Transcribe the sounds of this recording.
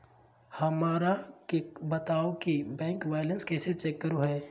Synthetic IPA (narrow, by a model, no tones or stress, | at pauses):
hɐmaːɾakebɐt̪aːokibɛ̃ːŋkʋaːɪlə̃nskɛːset͡ʃɛkːəɾuɦɛː